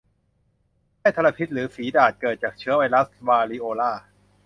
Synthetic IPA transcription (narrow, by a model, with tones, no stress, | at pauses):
haː˥˩jt̪ʰa˧ɾa˧pʰi˦˥t̪̚ɾɯː˩˦fiː˩˦daː˨˩t̪̚kɤː˨˩t̪̚t͡ɕaː˨˩k̚t͡ɕʰɯ˦˥ɐwa˧jla˦˥swaː˧liː˦˥ʔoː˧laː˥˩